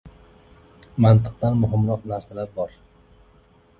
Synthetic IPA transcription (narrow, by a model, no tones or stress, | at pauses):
mant̪ʰɨq̚t̪anmʊɦɪmɾɒqnaɾsalaɾbɒɾ